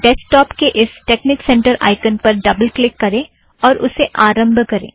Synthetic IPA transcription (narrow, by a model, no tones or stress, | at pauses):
ɖɛːsʈɔːpkeʔɪsʈeːknɪksɛ̃ɳʈəɾʔa̰ːɪkənpɐɾɖɐbəlklɪkːɐɾẽː | ɔːɾʔʊ̰seʔaːɾə̃mbʱkɐɾḛ̃ː